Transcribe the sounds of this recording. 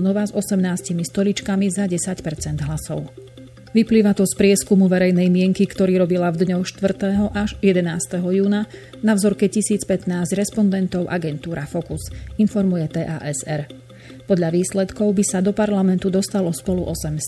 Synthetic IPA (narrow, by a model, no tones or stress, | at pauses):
nɔʋazɔsɛmnaːscimist̪ɔlit͡ʃkamizaɟɛsacpɛɾt͡sɛnd̪ɦlasɔʊ | ʋipliːʋat̪ɔspɾɪɛskumuʋɛɾɛjnɛjmɪɛŋkikt̪ɔɾiːɾɔbilavd̪ɲɔxʃt̪ʋr̩t̪ɛːɦɔʔaʃjɛd̪ɛnaːst̪ɛɦɔjuːna | navzɔɾkɛcisiːt͡spɛt̪naːzɟɾɛspɔnd̪ɛnt̪ɔʊʔa̰ɡɛnt̪uːɾʔafɔkusinfɔɾmujɛt̪ɛːʔa̰ːʔɛzɛɾ | pɔd̪ʎaʋiːslɛt̪kɔʊbisad̪ɔpaɾlamɛnt̪ud̪ɔst̪alɔspɔluʔɔsɛm